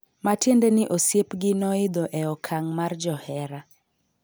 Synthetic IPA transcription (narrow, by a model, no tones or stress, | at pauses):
matjendɛnɪʔosjepɡɪnɔɪd̪oʔɛɔkʰaŋmard͡ʒɔhɛɾa